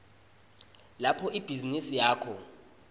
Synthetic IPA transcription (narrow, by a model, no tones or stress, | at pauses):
lapʰɔib̥ʱizinisijaːkʰɔ